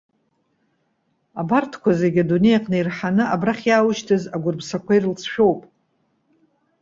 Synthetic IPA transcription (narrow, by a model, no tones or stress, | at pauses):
abartʰkʷʰaze̞ɡʲadune̞jaqʼnɨirħanɨabraχʲjaːwʊʃtʰɨzaɡʷʊrbsakʷʰairlt͡sʰʃᶣo̞wpʼ